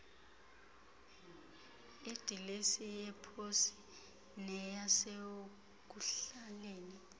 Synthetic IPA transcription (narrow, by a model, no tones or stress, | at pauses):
id̥ʱilesijɛpʰosi̥ | nɛjase | k̬uɬaleːni